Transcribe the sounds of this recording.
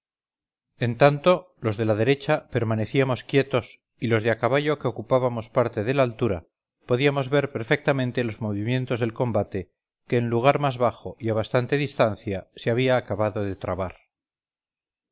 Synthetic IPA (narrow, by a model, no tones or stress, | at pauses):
e̞nt̪ant̪o̞ | lo̞zðe̞laðe̞ɾe̞t͡ʃape̞ɾmane̞θiamo̞skje̞t̪o̞s | ilo̞zðeakaβaʎo̞ke̞o̞kupaβamo̞spaɾt̪e̞ð̞e̞laːlt̪uɾa | po̞ðiamo̞zβe̞ɾpe̞ɾfe̞k̚t̪amẽ̞nt̪elo̞zmo̞βimjẽ̞nt̪o̞zðelko̞mbat̪e̞ | ke̞ːnluɣ̞aɾmazβaχo̞iaβ̞ast̪ant̪e̞ðist̪an̟θjaseaβiaːkaβaðoðe̞t̪ɾaβaɾ